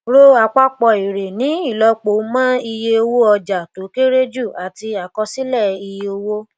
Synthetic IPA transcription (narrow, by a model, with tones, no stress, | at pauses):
ɾo˦a˧˨k͡pa˦k͡pɔ˧i˨ɾe˨nĩ˨˦i˦˨lɔ˧k͡po˨˦mã˦i˧je˧o˧wo˦ɔ˧d͡ʒa˨to˨˦ke˦ɾe˦d͡ʒu˦˨a˨ti˧a˨kɔ˧si˦lɛ˦˨i˧je˧o˧wo˦